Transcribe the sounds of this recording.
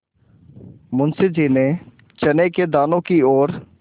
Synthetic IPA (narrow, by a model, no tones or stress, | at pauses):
mʊnsɪd͡ʒiːne | t͡ʃɐneked̪aːnõkiɔːɾ